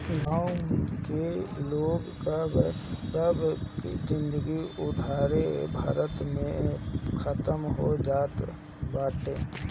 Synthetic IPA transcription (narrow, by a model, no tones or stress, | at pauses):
ɡaːukeloːɡkab | səbzɪ̃nd̪əɡiʊd̪ʱaːɾebʱaːɾət̪mẽkʰət̪əmɦod͡ʒaːt̪ | baːʈeː